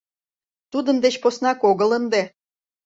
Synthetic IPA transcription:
t̪ud̪əmd̪et͡ɕposnɑkoɣələnd̪e

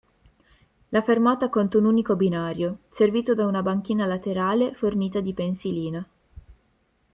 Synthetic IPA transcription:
lafermɔːt̪akont̪ounuːnikobinaːɾjoserviːt̪od̪aunabaŋk̟iːnalat̪eɾaːleforniːt̪ad̪ipensiliːna

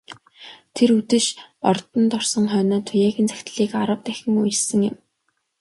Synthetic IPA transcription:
t̪ʰeɾut̪ɘ̆ʃɔ̰rt̪ɞ̆nt̪ɔrsɞ̆ŋχœːnɔːt̪ʰʊjæːɣʲĭnt͡sʰæ̥xʲt̪ɮiːkaɾə̆w̚t̪æxʲɪ̆ŋuj̆sɘ̆ŋjɪ̆m

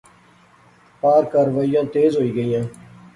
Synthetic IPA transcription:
paːɾkaːɾʋəijãːt̪eːzɦoːiːɡəiːãː

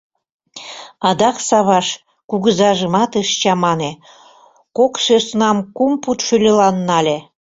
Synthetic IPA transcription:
ɑd̪ɑksɑβɑʃ | kuɣəzɑʒəmɑt̪əʃt͡ɕɑmɑne | koksøsnɑmkumput̪ʃylʲelɑnːɑlʲe

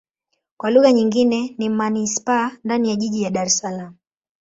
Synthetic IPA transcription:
kwaluɣaɲiŋɡinɛnimanispaːndanijaʄiʄijaɗaɾɛsalamu

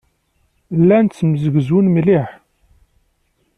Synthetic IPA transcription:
lːænt͡sːmzəɡzunmliħ

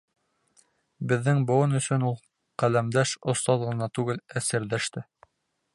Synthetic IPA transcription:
bɘ̆ðːɘŋbŏwɤnɵ̆sɵ̆nulˠ | qælæmd̪æʃŏst̪ɑðʁɤ̆nɑt̪ʉɡɘlæsɘ̆ɾlæʃt̪ɘ

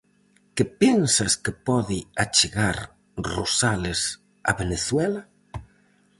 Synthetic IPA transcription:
kɪpensaskɪpɔðɪat͡ʃeɣaɾ | rosalɪs | a̰βeneθwɛla

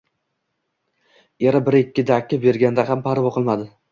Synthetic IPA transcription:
jeɾabɪɾɪkʲʰːɪd̪akʲːɪbe̞ɾɡʲand̪aɦampʰaɾvɒqʰɨlˠmad̪ɪ

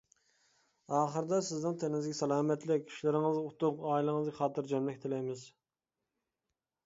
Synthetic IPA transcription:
ɑːχəɾɨd̪ɑsɪznɨŋt̪ʰenɪŋɪzɡʲɛsɑlˠɑːmɛt̪lɪk̚ʲʰy̥ʃlɪɾɪŋɨzut̪ʊqɑːilˠɨŋɨzɡʲɑχɑːt̪ɨɾd͡ʒɛmlɛkʲt̪ʰɪlɛjmɪz

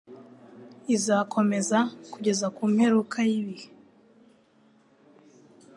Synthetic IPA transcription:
izakʰo̞me̞zakuɟe̞zakuːmhe̞ɾukʰajiβihe

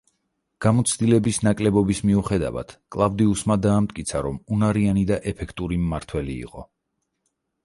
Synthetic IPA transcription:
ɡ̥amɔt̪sʰd̪ilɛbisnakʼlɛbɔbismiuχɛd̪a̰va̰t̪ʰkʼlˠavd̪iusmad̪aːmt̪̚ʼkʼit̪sʰaɾɔmunaɾianid̪aʔɛpʰɛkʰt̪ʼuɾimːaɾt̪ʰwɛlḭːqʼɔ

